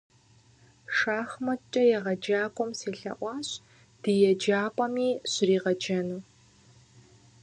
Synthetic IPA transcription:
ʂaːxmɐt͡ʃʼɐjɛʁɐd͡ʒaːkʷʼɔmseːɬɐ̰ʔʷɑːɕ | d̥ɨjɛd͡ʒaːpʷʼɐmiːɕriːʁɐd͡ʒɐnuː

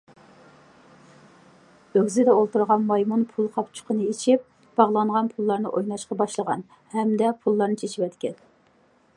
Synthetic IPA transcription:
øɡʲzɪd̪ɛolˠt̪uɾʁɑnmɑjmunpʰulˠqʰɑpt͡ʃʰʊ̥qʰənɨit͡ʃʰip̚ | b̥ɑʁlˠɑɴʁɑnpʰulˠːɑɾnɨʔojnɑʃqɑbɑʃlˠəʁɑ̰n | hɛmd̪ɛpʰulˠːɑɾnɨt͡ʃʰet͡ʃʰiwɛt̪kʲɛn

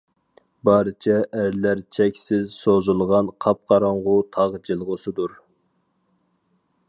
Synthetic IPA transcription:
bɑɾɨt͡ʃʰɛʔæɾlæɾt͡ʃʰɛkʲsɪzsozulˠʁɑnqʰɑp̚qʰɑɾɑɴʁʊt̪ʰɑʁd͡ʒɨlˠʁʊsɨd̪uɾ

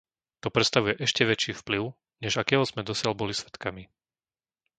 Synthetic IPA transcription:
t̪ɔpɾɛt̪st̪aʋujɛʔɛʃcɛʋɛt͡ʃiːfpliʊ | ɲɛʒakɛːɦɔzmɛd̪ɔsɪalbɔlisʋɛt̪kami

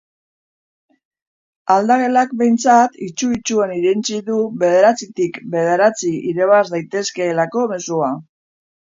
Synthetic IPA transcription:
ald̪aɣe̞lakbe̞jnt͡sat̪it͡ʃuit͡ʃue̞niɾent͡siðuβe̞ð̞e̞ɾat͡sit̪ikbe̞ð̞e̞ɾat͡siiɾe̞β̞azd̪ajt̪e̞ske̞ːlako̞me̞sua

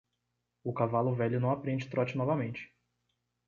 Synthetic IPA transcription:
ʊkavalʊvɛʎʊnɐ̃w̃apɾẽnd͡ʒɪt̪ɾɔt͡ʃɪnɔvɐmẽnt͡ʃɪ̥

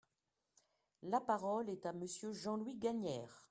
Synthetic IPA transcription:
lapaʁɔlɛt̪aməsjøʒɑ̃lwiɡaɲɛːʁ

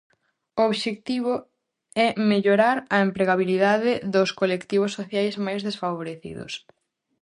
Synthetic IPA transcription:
ooβʃekt̪iβ̞ʊ | ɛmeʎoɾaɾɐempɾeɣaβiliðaðɪðʊskolekt̪iβ̞osːoθjajzmajzðesfaβoɾeθḭðʊ̰s

